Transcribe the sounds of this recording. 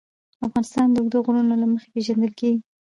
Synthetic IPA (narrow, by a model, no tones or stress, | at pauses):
afɣɑnɪst̪ɑnd̪əʊɡd̪oɣuɽunolaməxe̥peʒand̪əlkeɡi